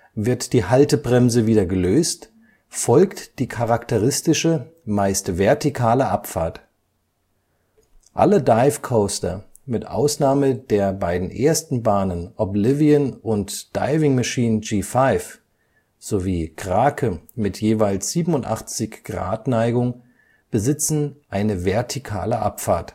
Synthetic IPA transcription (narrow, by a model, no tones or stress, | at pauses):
vɪɐtd̥iːhaltəbʁɛmzəviːdɐɡəløːst | fɔlktd̥iːkʰaʁaktəʁɪstɪʃəmaɪstv̥ɛɐtikʰaːləʔapfaːɐt | ʔa̰lədaɪfkʰoʊstɐ̰ | mɪtʔa̰ʊsnaːməd̥eːɐbaɪdn̩ʔeːɐstn̩baːnənʔɔblɪviənʊntd̥a̰ɪvɪŋmaʃiːnənd͡ʒiːfaɪf | z̥oviːɡʁ̥aːkʰəmɪtʰjeːvaɪlsz̥iːbm̩ʊntʔa̰χt͡sɪçɡ̥ʁa̰ːtnaɪɡʊŋ | b̥əzɪt͡sn̩ʔaɪnəvɛɐtʰikʰa̰ːləʔa̰pfaːɐt